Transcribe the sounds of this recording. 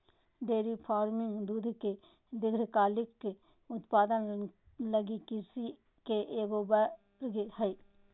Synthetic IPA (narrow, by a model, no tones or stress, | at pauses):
ɖeːɾipʰaːɾmɪŋɡd̪uːd̪ʱke | d̪ɪɡɾkaːlɪkːe | ʊt̪paːd̪ən | ləɡikɪsi | keʔeːɡoːbə | ɾɡehɛi